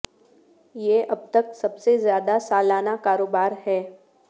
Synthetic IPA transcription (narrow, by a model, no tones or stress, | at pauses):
jeːʔɐb̚t̪əksɐbsezjaːd̪asaːlaːnakaːɾoːbaːɾhɛː